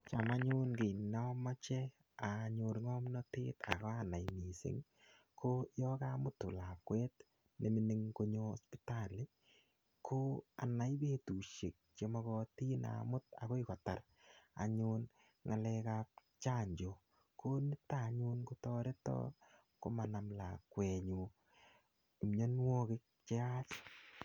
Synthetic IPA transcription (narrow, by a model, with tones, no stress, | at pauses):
t͡ʃa˨ma˦ɲʊ˦nke˨na˦mɔ˦t͡ʃɛ˦ | a˨ɲʊ˨ɾŋɔ˦mnɔ˦tḛ˦ta̰˨kɔ˦a˦na˨jni˨sɪ̰˨˦ŋ | kʰo˦jɔ˦ka˦mʊ˦tːʊ˨la˨kwe˦t̚ | ne˨mi˦ni˦ŋko˦ɲo˦o˨spita˦˨le˦ | kʰo˦a̰˨na˨jbe˦tu˨ʃe˨k̚t͡ʃe˨mɔ˦kɔ˧ti˦na̰˨mʊ˦t̚a̰˨ko˦ɪ˦kɔ˨ta˨r | a̰˨ɲʊn | ŋa˨lɛ˧ka˦p̚ | t͡ʃa˦˨ɲd͡ʒo˨ | kʰo˦nɪ˦ta˦˨ɲu˦nko˦tɔ˦ɾe˦tɔ̰˦ | ko˦ma˨na˨mla˨kwɛ˨ɲu˨ | mɲo˦n˦wo˦kɪ˦k̚t͡ʃe˦a˦t͡ʃ